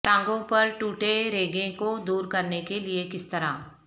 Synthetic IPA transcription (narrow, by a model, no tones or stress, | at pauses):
ʈãːŋɡõpɐɾʈuːʈeɾeːɡẽkod̪uːɾkɐɾnekeliekɪst̪ɐɾaː